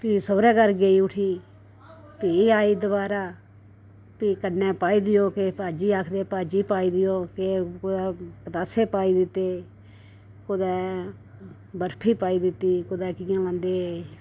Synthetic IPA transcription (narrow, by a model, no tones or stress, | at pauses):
piːsoːɾɛ̃ːkəɾɡeiːʊʈʰiː | piːaːiːd̪ʊbaːɾaː | piːkənːɛ̃ːpaːiːd̪ɪjoːkepaːd͡ʒiːaːkʰd̪eːpaːd͡ʒiːpaːiːd̪ɪjoːkekʊd̪ɛːpət̪aːseːpaːiːd̪ɪt̪ːeː | kʊd̪ɛ̃ː | bəɾpʰiːpaːiːd̪ɪt̪ːiːkʊd̪ɛːkɪjãːlãːnd̪eː